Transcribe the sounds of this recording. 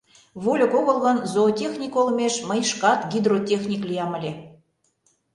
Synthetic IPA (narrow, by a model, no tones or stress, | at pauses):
βolʲə̆koɣɤ̆lˠɣɤ̆nzoːtʲexnʲikolmʲeʃməjʃkɑt̪ɡʲid̪rotʲexnʲiklʲijɑmə̆lʲe